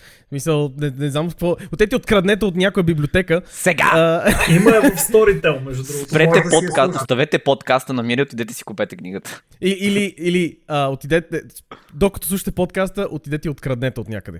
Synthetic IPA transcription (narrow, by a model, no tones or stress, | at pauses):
smisəlˠnɛnɛznamot̪kəkvɔot̪iɛt̪ʲiot̪kɾɐd̪nɛt̪̬əot̪nʲjakʊjəbiblʲiot̪ɛkəsɛɡa̰iməɛst̪ɔɾit̪ɛlˠmɛʒd̪ud̪ɾust̪pɾɛt̪ɛpot̪kast̪ost̪ɐvɛt̪ɛpot̪kast̪ənɐmiɾiot̪id̪ɛt̪ɛ̥si̥kupɛt̪ɛkniɡət̪ə̥ | iːliiliəot̪id̪ɛt̪ɛ | d̪okɐt̪ɔslˠuʃə̥t̪ɛpot̪̚kast̪əʔot̪id̪ɛt̪ɛiot̪kɾɐd̪nɛt̪əot̪nʲa̰kəd̪ɛ̰